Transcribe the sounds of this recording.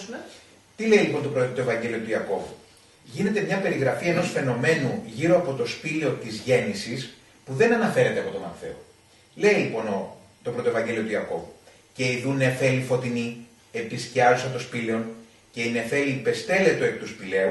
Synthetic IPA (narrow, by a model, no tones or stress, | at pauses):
t̪ile̞ilipont̪opɾot̪oe̞vɐɲɟe̞lio̞t̪uiɐko̞vu | ʝine̞t̪e̞mɲɐpe̞ɾiɣɾɐfie̞no̞sfe̞no̞me̞nuʝiɾo̞ɐpo̞t̪o̞spileo̞t̪izʝe̞nisis | puðe̞nɐnɐfe̞ɾe̞t̪eɐpo̞t̪omɐ̰θe̞̰o | le̞ilipo̞no | t̪opɾo̞t̪o̞vɐɲɟe̞lio̞t̪uiɐko̞̰vu | ce̞iðune̞fe̞lifo̞t̪ini | episciɐɾusɐt̪o̞spileo̞n | ce̞ine̞fe̞liːpest̪e̞le̞t̪oepit̪uspile̞u